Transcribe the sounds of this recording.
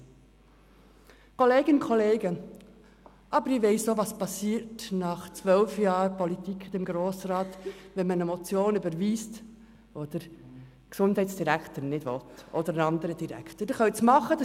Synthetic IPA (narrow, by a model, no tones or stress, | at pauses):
kɔleːɡənkʰɔleːɡə | ʔɑbəɾɪʋeɪsoʋɑspɑsiːɾtnɑχt͡sʋœlfjɑːɾpɔlit̪ikχd̥̪ɛmɡɾoːsɾɑːtʋɛnmənɛmɔt͡sjoːnybəɾʋiːst | ɔd̪̥əɾ | ksʊndɦɛɪtsd̥iɾækʰtənɪd̥vʋɔtɔd̪əɾənɑnd̪əɾəd̥̪iɾæ̰kʰtəd̥eχœwsmɑχəd̥